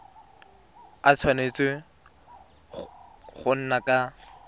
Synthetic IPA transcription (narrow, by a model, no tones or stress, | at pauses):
at͡sʰwanet͡sʼɪ | χʊn̩nakʼa